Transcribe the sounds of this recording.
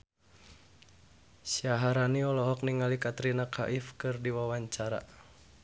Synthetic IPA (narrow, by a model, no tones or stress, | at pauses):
sjaɦaɾaniɔlɔɦɔk̚niŋalikat̪ɾinakʰa̰ʔifkɨrdiwawaɲt͡ʃaɾa̰